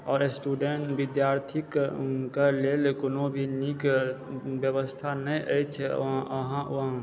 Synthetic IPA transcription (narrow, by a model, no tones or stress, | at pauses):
ɔːɾsʈuːɖeɳʈbɪd̪jaːɾt̪ʰikkalelekʊnõbʱinik | bjəwəst̪ʰanəĩʔə̰jt͡ʃʰɛɦãʋɦã